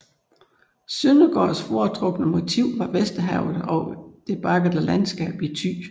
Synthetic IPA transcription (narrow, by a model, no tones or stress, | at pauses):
sønəɡ̥ɒ̰ːsfoɐt͡sʰʁɔ̽ɡ̥nəmo̝t͡sʰiʊ̰ʋɑ̈ʋesd̥əɦæʊ̰ð̩ˠɒ̽d̥e̝b̥ɑ̈ɡ̥ð̩ˠəlænsɡ̥ɛ̰ːb̥it͡sʰy̰ː